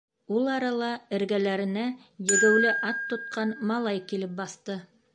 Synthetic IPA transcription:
ulˠɑɾɑlˠɑɘ̆ɾɡælæɾɘ̆næ | jɘ̆ɡɘ̆wlɘʔɑt̪ːŏt̪̚qɑnmɑlˠɑjkilɘp̚bɑθt̪ɤ

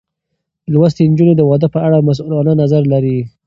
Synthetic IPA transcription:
lwəst̪end͡ʒuned̪əwɑd̪əpəaɽamas̬ulɑnanazaɾlaɾi

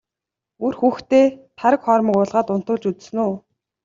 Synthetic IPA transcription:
urxuːxt̪eːt̪ʰaɾə̆kχɔɾmə̆kʊːɮʁaːt̪ʊn̥t̪ʊːɮt͡ɕut͡s̆snuː

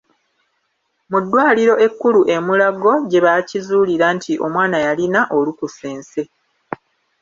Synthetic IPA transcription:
mudːwaːliɾo̞ʔe̞kːuluʔe̞mulaɡo̞ɟe̞βacizuːliɾantʰiʔo̞mwaːnajalinaʔo̞lukuseːnse̞

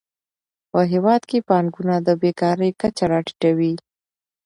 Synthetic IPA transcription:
pəɦewɑd̪kepɑŋɡunad̪əbekɑɾəjkat͡ʃaɾɑʈi̥ʈawi

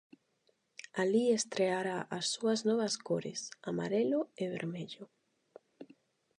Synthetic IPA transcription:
aliest̪ɾeaɾaʔasːuaznɔβɐskoɾḛsama̰ɾeloeβḛɾmeʎʊ

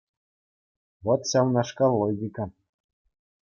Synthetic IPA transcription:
βot̪ɕɑwnɑʃkɑlˠːoɡʲikɑ

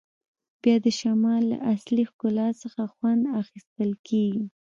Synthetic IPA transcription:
b̥jɑd̪əʃamɑlːa̰ʔaslixkʊlɑsəxaxwand̪axist̪əlkeɡi

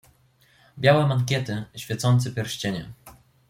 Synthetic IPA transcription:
bʲjawɛmaŋkʲɛt̪ɘɕfʲjɛt̪sɔnt̪sɛpʲjɛɾɕt͡ɕeɲɛ̰

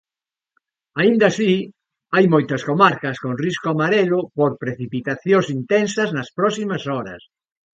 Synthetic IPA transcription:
aind̪asi | ajmojt̪ɐskomaɾkɐskõŋriskoamaɾelʊpoɾpɾeθipit̪aθjosint̪ensɐznɐspɾɔsimɐsɔɾɐ̰s

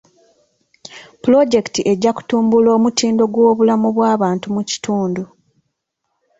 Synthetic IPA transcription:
pulo̞ɟe̞ktiʔe̞ɟːaku̥tuːmbulo̞ːmutiːndo̞ɡwo̞ːβulamuβwaːβaːntumuci̥tʰuːndu

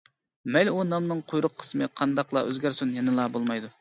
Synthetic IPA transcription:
mɛlʲunɑmnɨŋqʰojɾʊqʰːə̥smɨqʰɑnd̪ɑqlˠɑ̰ʔø̰zɡʲæɾsynjɛnɨlˠɑbolˠmɑjd̪u

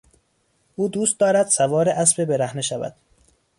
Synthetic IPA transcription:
ʔuːd̪uːst̪̚d̪ɒːɾæd̪sævɒːɾeʔæsbe̞beɾæhneʃævæ̰d̪̥̚

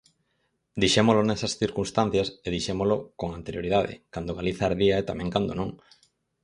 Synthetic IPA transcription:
d̪iʃemolonɛsɐsθiɾkunst̪an̟θjɐseðiʃemolokoŋant̪eɾjoɾið̞aðɪ̰kand̪oɣ̞aliθaːɾðiaet̪amɛ̃ŋkand̪onõŋ

